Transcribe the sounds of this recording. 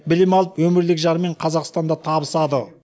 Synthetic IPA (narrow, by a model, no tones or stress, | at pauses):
bɪlɪmɑlˠəpwɵmɪɾlɪkʒɑɾəme̞ɴqʰɑzɑqst̪ɑnd̪ɑt̪ʰɑbəsɑd̪ə